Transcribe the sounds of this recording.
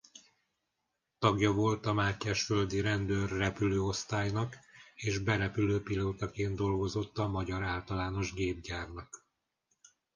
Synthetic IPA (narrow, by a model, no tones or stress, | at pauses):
t̪ɒɡjɒvo̞lt̪ɒmaːcːɛʃfø̞ld̪iɾɛnd̪ørːɛpyløːo̞st̪aːjnɒkeːʒbɛɾɛpyløːpiloːt̪ɒkeːnd̪d̪o̞lɡo̞zo̞t̪ːɒmɒɟɒɾaːlt̪ɒlaːno̞ʒɡeːb̚ɟaːrnɒk